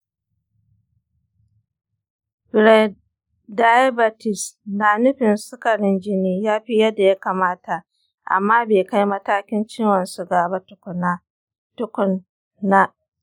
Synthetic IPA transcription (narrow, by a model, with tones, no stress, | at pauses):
bɪ˨ɾa˨ | da˦jbɐ˨tɪ˨snaː˨nʊ˦ɸɪ˨nsʊ˦kɐ˨ɽɪ˦nd͡ʒɪ˦niː˦jaː˦ɸi˦jɐ˦da˨ja˦kaː˨maː˦ta˨ | ʔa̰˨mːaː˦beː˨ka˦jmɐ˦taː˦kʲɪ˦nt͡ʃɪ˦wɐ˨nsʊ˨ɡaː˨ba˦tʊ˦kʊ˨na˦ | tʊ˦kʊ˨nː | a˦